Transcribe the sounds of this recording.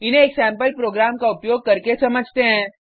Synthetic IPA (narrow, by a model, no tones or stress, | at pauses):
ɪnɦẽːksɛ̃ːmpəlpɾoːɡɾaːmkaʊpjoːɡ̚kɐɾkesɐməd͡ʒʱt̪eɦɛ̃ː